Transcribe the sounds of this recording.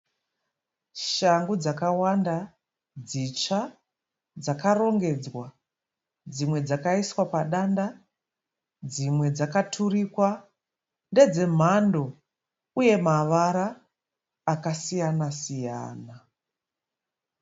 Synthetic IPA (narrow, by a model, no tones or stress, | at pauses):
ʃaŋɡud͡zakawanda | d͡zit͡ʃa | d͡zakaro̞ŋɡe̞d͡zwa | d͡zimwe̞d͡zakaiswapaɗanda | d͡zimwe̞d͡zakatʰuɾikwa | nde̞d͡ze̞m̤ando | uje̞maʋaɾaː | kasijanasija̰ːna